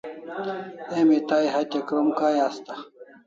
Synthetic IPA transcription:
emit̪ajɦat̪ekɾomkaːjast̪a

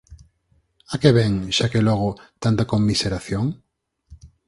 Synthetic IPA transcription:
akeβɛŋʃakelɔɣ̞ʊt̪ant̪akomːiseɾaθjoŋ

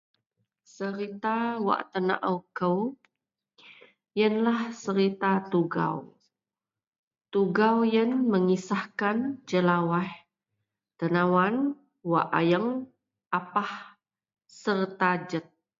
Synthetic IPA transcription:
səɾit̪awa̰ʔt̪əna̰ʔəwkəw | jənlahsəɾit̪at̪uɡa̰w | t̪uɡawjənməŋisahkand͡ʒəlawah | t̪ənawan | waʔa̰jəŋ | ʔapah | sərt̪ad͡ʒət̪̚

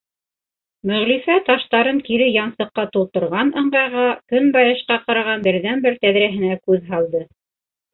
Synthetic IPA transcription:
mɵ̆ʁlifæt̪ɑʃt̪ɑɾɤŋkiɾɘjɑnsɤ̆qːɑt̪ulˠt̪ɤ̆ɾʁɑnɤ̆ɴɢɑjʁɑkɵnbɑjɤ̆ʃqɑqɑɾɑʁɑnbɘ̆ɾðænbɘɾt̪æðɾæɦɘ̆nækʉðɦɑlˠd̪ɤ

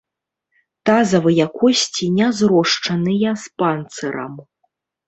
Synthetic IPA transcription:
t̪azɐvɨjakɔsʲt͡sʲinʲazɾɔʂt͡ʂɐnɨjɐspant̪sɨɾɐ̰m

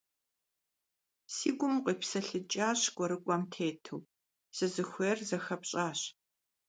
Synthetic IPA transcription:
siːɡʷʊmqʷʼiːpsɐɬɨt͡ʃʼaːɕɡʷʼɔɾɨkʷʼɔmtʰeːtʰɨw | z̥ɨzɨxʷeːrzɐxɐpɕʼaːɕ

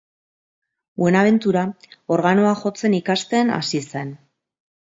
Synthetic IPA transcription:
ue̞naβ̞e̞nt̪uɾao̞ɾɣanoaxo̞t͡se̞nikast̪e̞na̰sise̞n

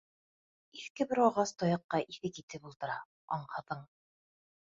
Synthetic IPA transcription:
iθkɘbɘɾɑʁɑst̪ɒjɑqːɑʔiθɘkit̪ɘpulˠt̪ɤ̆ɾɑ̰ | ɒ̰ɴhɑ̆ðɤɴ

